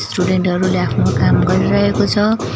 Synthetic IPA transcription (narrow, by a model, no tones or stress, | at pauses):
sʈuɽeɳʈɦʌɾuleapʰnokamɡʌɾiɾʌɦekot͡sʰʌ